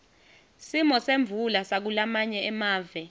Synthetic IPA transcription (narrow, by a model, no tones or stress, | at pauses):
simɔseɱvʱulasak̬ulamaɲɛɛmaːvɛ